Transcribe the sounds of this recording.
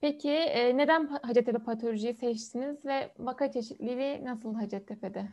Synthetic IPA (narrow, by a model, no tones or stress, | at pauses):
pʰecʰiːne̞d̪ænɦad͡ʒɛt̪ʰelʲɛpʰat̪ʰo̞lʲoʒijisɛt͡ʃt̪inizvɛvakat͡ʃʰe̞ʃit̪lʲilʲinasɯlˠɦad͡ʒɛt̪ʰːeped̪ɪ